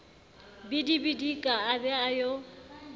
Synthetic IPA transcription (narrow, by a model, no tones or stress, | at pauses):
bɪdibidikʼaabɛajo